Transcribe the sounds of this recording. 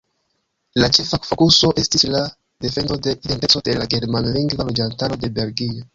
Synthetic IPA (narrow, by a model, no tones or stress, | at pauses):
lat͡ʃefakfokusoʔest̪it͡ʃila | d̪efendod̪eent̪eksod̪elaɡeɾmanliŋɡalod͡ʒant̪aɾod̪ebelɡiɲo